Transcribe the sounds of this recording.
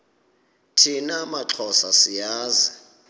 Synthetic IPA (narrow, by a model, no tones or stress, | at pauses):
tʰinamaǁʰɔsasijaːzi